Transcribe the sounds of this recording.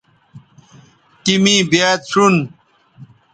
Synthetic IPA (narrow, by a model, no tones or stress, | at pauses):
ʈimibjaːt̪ʰun